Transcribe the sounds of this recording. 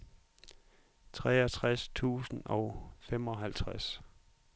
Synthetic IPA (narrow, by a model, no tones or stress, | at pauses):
t͡sʰʁɛːɐt͡sʰʁast͡sʰṵːsn̩ɒʊfem̰ɒ̽ɦælt͡sʰʁas